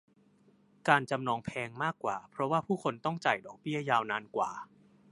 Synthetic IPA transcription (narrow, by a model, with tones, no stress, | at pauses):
kaː˧nt͡ɕa˧mnɔː˧ŋpʰɛː˧ŋmaː˥˩kːwa̰ː˨˩pʰɾɔ˦˥waː˥˩pʰuː˥˩kʰo˧nt̪ɔ˥˩ŋt͡ɕa˨˩jdɔː˨˩k̚bi˥˩ɐjaː˧wnaː˧nkwa̰ː˨˩